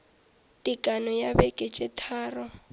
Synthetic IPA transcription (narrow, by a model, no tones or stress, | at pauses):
tʼikʼanɔjabɛkʼɛt͡ʃʼɛtʰaːrɔ